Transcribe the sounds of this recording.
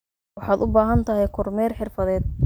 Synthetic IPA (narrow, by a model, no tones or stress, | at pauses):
wɑħɑːd̪ʊbaːɦɐnt̪ʰɐɦɛjkʰʊrmɛːrħɪrfɐðɛːd̪̚